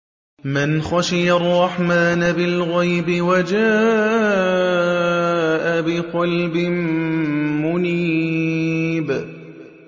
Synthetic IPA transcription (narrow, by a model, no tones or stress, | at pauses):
mɪnxaʃɪjarˤːɑħmaːnabɪlɣajbɪwad͡ʒaː | ʔabɪqɑlbɪm | mʊniː | b